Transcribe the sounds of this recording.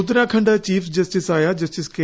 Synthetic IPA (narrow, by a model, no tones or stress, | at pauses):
ʊt̪ɾãkʰɐ̃ɳɖat͡ɕiːfd͡ʑɐsʈɪsaːjad͡ʑɐsʈɪske